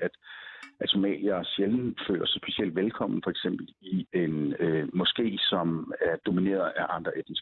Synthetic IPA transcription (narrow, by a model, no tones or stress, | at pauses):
æd̥ʔæsʰo̝mɛ̰ːliɐɒɕeln̩fø̰ːlɐsɒsb̥e̝siel̰d̥ʋelkʰɒ̽m̰n̩fɒ̽eɡ̥sem̰b̥l̩ie̝nømɒ̽sɡ̥e̝̰ːsɒ̽mæɐd̥o̝mine̝̰ːɐð̩ˠʔæʔɑ̈nd̥ʁɐʔed̥n̩s